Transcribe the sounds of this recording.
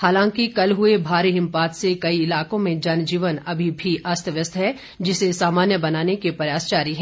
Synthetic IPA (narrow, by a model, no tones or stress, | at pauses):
haːlãːŋkikɐlɦʊebʱaːɾeɦɪ̃mpaːt̪sekɐiɪlaːkõmẽd͡ʒɐnd͡ʒiːʋənɐbʱibʱiaːst̪ʰəʋjəst̪ʰɦɛ | d͡ʒɪsesaːmaːnjəbɐnaːnekepɾɐjaːst͡ʃaːɾiɦɛ̃ː